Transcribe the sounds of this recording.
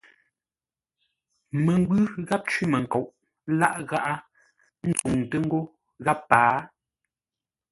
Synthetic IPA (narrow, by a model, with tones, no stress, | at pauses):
mə˨ŋ˦ɡwʉ˦ɣa˦p̚t͡ʃwi˦mə˨ŋ̩˨ko˨wʔ | la̰˦ʔɣa˦ʔa˦ | n̩˦t͡su˨ŋtə˦ŋ̩˦ɡo˦ | ɣa˦pːaː˨˦